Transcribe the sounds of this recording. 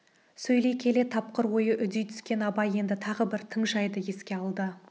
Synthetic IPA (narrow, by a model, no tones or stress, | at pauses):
sɵjle̞jkʲʰe̞le̞t̪ʰːɑp̚qəɾwo̞jəʔʏd̪ijt̪ʰʏ̥skʲe̞nɑbɑje̞nd̪ɪt̪ʰɑʁəbɪɾt̪ʰəɴʒɑjd̪əje̞skʲe̞ɑlˠd̪ə